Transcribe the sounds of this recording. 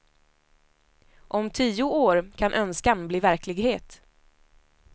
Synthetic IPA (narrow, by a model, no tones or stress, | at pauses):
ʔɔmt̪ʰiːʊoːɾkʰanʔœnskanbliːvæɾklɪɡheːt̪